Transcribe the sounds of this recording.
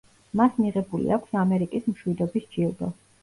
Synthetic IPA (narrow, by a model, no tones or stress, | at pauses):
masmiʁɛbulḭakʰsamɛɾikʼismʃwid̪ɔbisd͡ʒilˠɡɔ̰